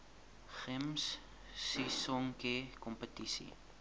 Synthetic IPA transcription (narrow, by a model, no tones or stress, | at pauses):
χəmsː | isɔŋkekɔmpətisḭ